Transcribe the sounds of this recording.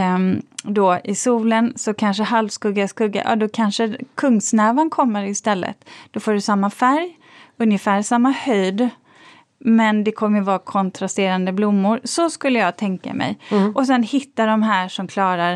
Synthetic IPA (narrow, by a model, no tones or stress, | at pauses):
d̪ɔʔɪsuːlənsɔkʰanʂəhalvskɵɡaskɵɡːa̰ʔɑ̰ːd̪ɔkʰanʂəkʰɵŋːsnɛːvankʰɔmːəɾɪst̪ɛlːə̰t̪d̪̥ɔfoːɖɵsamːafæɾj | ɵnjəfæːɾʂamːahœjd̪ | mɛnd̪ɛkʰɔmːəjvɑːkʰɔnt̪ʰɾast̪eːɾand̪əblʊmːʊɾsɔskɵlːəjɑːɡt̪ʰɛŋka̰mɛ̰jɔs̬ɛnhɪt̪ːaɖɔmɦæːʂɔmkʰlɑːɾaɾ